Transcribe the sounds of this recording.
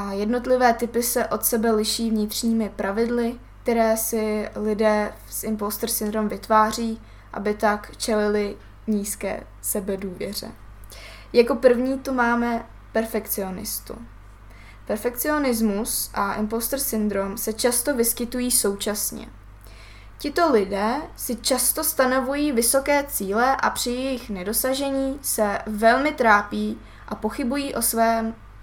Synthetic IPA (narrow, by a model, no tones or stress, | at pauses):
ʔajɛdno̞t̪lɪvɛːt̪ɪpɪsɛʔo̞t̪sɛbɛlɪʃiːvɲɪt̪r̝̥ɲiːmɪpɾʔavɪdlɪ | k̚t̪ɛɾɛːsɪlɪdɛː | sʔɪmpost̪rsɪnd̪ɾomvɪt̪vaːr̝iː | ʔa̰bɪt̪akt͡ʃɛlɪlɪ | ɲiːskɛ̰ː | sɛbɛduːvjɛ̰r̝ɛ̰ | jako̞pr̩vɲiːt̪umaːmɛ | pɛɾfɛk̪t͡sɪo̞nɪ̰st̪ṵ | pɛɾfɛkt͡sɪo̞nɪzmusʔaʔɪmpost̪oɾsɪnd̪ɾo̞msɛt͡ʃast̪o̞vɪskɪt̪ujiːso̞wt͡ʃasɲɛ̰ | cɪt̪o̞lɪdɛːsɪt͡ʃast̪o̞st̪ano̞vujiːvɪso̞kɛːt͡siːlɛʔapr̝̥ɪjɛjɪxnɛdo̞saʒɛɲiːsɛvɛlmɪt̪ɾaːpiː | ʔapo̞xɪbujiːʔo̞svɛːm